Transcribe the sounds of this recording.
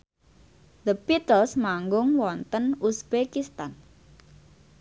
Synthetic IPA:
d̪əpit̪əlsmaŋɡʊŋwɔnt̪ənusb̥ekist̪an

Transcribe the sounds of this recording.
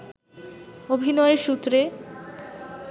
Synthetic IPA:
obʱinɔeɾʃut̪ːɾe

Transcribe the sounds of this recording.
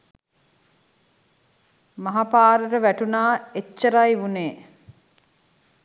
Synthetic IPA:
mɐɦapaːɾəɾəʋæʈunaːet͡ʃːəɾajʋuneː

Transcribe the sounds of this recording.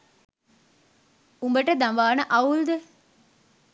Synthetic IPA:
umbəʈəd̪amʋaːnəʔɐuld̪e

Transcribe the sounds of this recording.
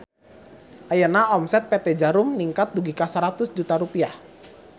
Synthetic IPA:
ʔajənaɔmsɛt̪̚pɛt̪ɛd͡ʒaɾumniŋkat̪̚duɡikasəɾat̪ʊsd͡ʒut̪aɾupiah

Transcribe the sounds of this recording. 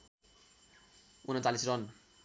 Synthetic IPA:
unʌnt͡salisrʌn

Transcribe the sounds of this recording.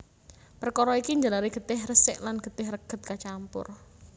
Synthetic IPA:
pərkɔɾɔikiɲd͡ʒalaɾeɡ̥ə̤d̪̥ɪhrəsɪ̰ʔlanɡ̥ə̤d̪̥ɪhrəɡ̥ə̤t̪̚kat͡ʃampʊ̰r

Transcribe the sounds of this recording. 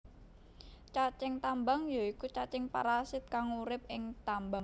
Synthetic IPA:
t͡ʃat͡ʃɪŋt̪ambaŋjoikut͡ʃat͡ʃɪŋpa̰ɾasɪt̪̚kaŋuɾɪp̚ɪŋt̪ambaŋ

